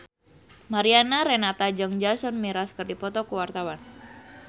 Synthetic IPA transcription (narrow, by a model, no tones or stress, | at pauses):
maɾianaɾenat̪ad͡ʒəŋd͡ʒasɔnmiɾaskərdipɔt̪ɔkuwart̪awan